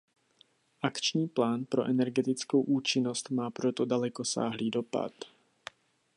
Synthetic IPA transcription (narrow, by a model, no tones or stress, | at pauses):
ʔakt͡ʃɲiːplaːnpɾoʔɛnɛɾɡɛt̪ɪt͡skowʔuːt͡ʃɪnost̪maːpɾot̪odalɛkosa̰ːɦliːdo̞pa̰t̪